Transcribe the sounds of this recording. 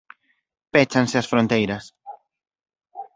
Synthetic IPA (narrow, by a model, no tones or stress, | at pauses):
pɛt͡ʃanseɐsfɾõnt̪ejɾɐs